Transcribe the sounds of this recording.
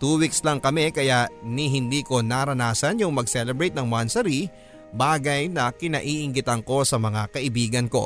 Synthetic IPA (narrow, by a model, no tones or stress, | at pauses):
t̪uːwikslɐŋkɐmɛkɐjaʔniɦɪnd̪iːko̞naɾɐnaːsɐnjʊŋmɐɡ̚sɛlɛbɾɛjt̪̚nɐŋmansɐɾi | baːɡɐjnɐkɪnɐʔiːʔɪŋɡɪt̪ɐŋko̞sɐmɐŋakɐʔɪbiːɡɐnko̞̰